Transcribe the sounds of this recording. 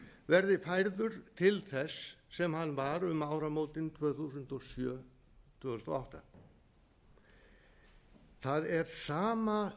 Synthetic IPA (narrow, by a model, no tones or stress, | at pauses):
vɛɾðɪfajɾðʏɾ̥t̪ʰɪlθɛsːɛmhanːvaɾʏmaːwɾamoːwt̪ɪnt̪ʰvœːθusʏnt̪ɔsjœː | t̪ʰvœːθust̪ɔ̰awht̪a̰ | θaðɛɾ̥saːma